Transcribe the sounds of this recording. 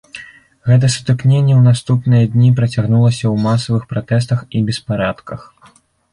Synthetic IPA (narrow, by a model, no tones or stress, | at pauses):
ɣɛt̪̬ɐsu̥t̪ɨknʲenʲːɛwnast̪upnɨjɐd̪ʲnʲipɾɐt͡sʲaɣnulˠɐsʲɐwmasɐvɨxpɾat̪ɛs̬t̪ɐxibʲɛspaɾat̪kɐx